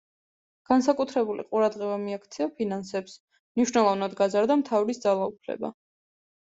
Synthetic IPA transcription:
ɡ̥ansakʼut̪ʰɾɛbulḭqʼuɾad̪ʁɛbamiakʰt̪sʰiapʰinansɛps | mniʃnɛlˠɔvnad̪ɡazaɾd̪amt̪ʰavɾisd̪zalˠaupʰlɛ̰ba̰

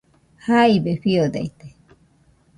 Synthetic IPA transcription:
hajbeɸiod̪a̰jt̪e̥

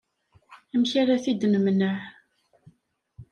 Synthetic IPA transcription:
æmçaɾaθid̪nəmnəʕ

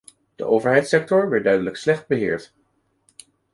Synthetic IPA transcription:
d̥ə̰ʔowvəɹɦɛjtsɛk̚tɔɹʋɛɹt̚dœɥdələkslɛχd̚bəɦɪːɹt

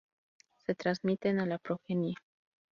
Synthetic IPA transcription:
se̞t̪ɾanzmit̪e̞nalapɾoxenia

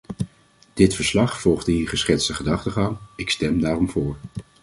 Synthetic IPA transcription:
d̥ɪtfəɹslɑχfɔlˠχdəɦiːɹχəsχɪtstəχədɑχtəχɑŋɪkstɛmdaːrɔmvʊːɹ

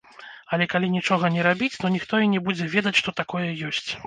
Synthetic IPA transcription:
ɐlʲɛkalʲinʲit͡ʂɔɣɐnʲɛɾabʲit͡sʲt̪ɔnʲixt̪ɔinʲɛbud͡zʲɛvʲɛd̪ɐt͡sʲʂt̪ɔt̪akɔjɛjɔsʲt͡sʲ

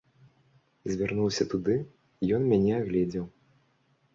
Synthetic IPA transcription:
zʲvʲarnuwsʲɐt̪ud̪ɨ | ijɔnmʲanʲɛaɣlʲɛd͡zʲɛw

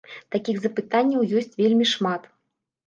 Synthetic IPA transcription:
t̪akʲiɣzɐpɨt̪anʲːɐwjɔsʲt͡sʲvʲelʲmʲiʂmat̪

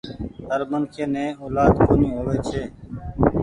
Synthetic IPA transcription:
ɦəɾmənkʰeːnẽːoːlaːd̪koːnĩːɦoːʋeːt͡ʃʰeː

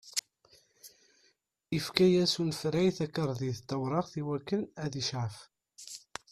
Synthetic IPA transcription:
ifkæjæsunfɾæjθækːəɾˤðiðt̪ːæwɾˤɑʁθiwækːənæðiʃʕəf

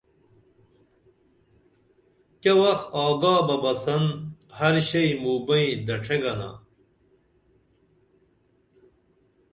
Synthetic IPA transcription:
kɐwɐxt̪aːd̪aːbɐbɐsɐnhɐɾɕɐimuːbɐĩd̪ɐʈ͡ʂʰeɡɐna̰

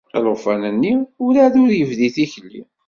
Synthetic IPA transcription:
ɾˤofænənːiʊɾæðʊɾjəvðiθiçəlːḭ

